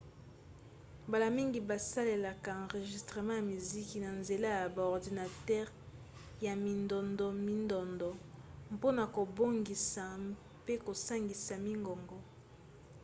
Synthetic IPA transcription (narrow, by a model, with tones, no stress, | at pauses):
ba˨la˨mi˦ŋɡi˨ba˨sa˦le˨la˨ka˨ɑ̃˨ʁe˨ʒi˨stʁe˨mɑ̃˦ja˨mi˨zi˦ki˨na˨nze˨la˦ja˨ba˨ɔ˨ʁdi˨na˨tɛ˦ʁ | ja˨mi˨ndɔ˨ndɔ˨mi˦ndɔ˨ndɔ˨mpo˦na˨ko˨bo˦ŋɡi˨sa˨ | pe˦ko˨sa˦ŋɡi˨sa˨mi˦ŋɡɔ˨ŋɡɔ˦